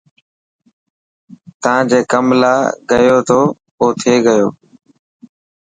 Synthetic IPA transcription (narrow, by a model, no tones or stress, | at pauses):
t̪əãːd͡ʑeːkəmla̰ːɡəjoːt̪ʰoː | oːt̪ʰeːɡəjoː